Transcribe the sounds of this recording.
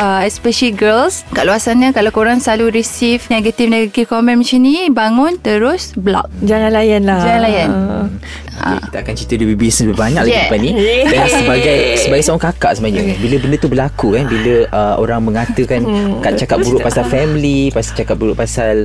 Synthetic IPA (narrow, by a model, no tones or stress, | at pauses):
ʔəɛspɛʃəliɡəlskaʔluasanɲəkalawkoɾaŋsaluɾisifneɡət̪ifneɡat̪ifkɔmɛ̃nmt͡ʃinibaŋʊnt̪əɾʊsblɔ̰k̚d͡ʒaŋãnlajanlahd͡ʒaŋanlajan | a̰ekit̪akant͡ʃit̪ədəbibisnəsbbaɲã̰k̚laɡipanidalasəbaɡajsəbaɡajsəɔŋkakaʔsəmaɲəkanbiləbəndət̪ubəlakukanbiləʔəo̰ɾaŋmə̃ŋat̪əkankat̪̚t͡ʃakat̪̚buɾuʔpasalfɛmlipasat͡ʃakat̚buɾuʔpasal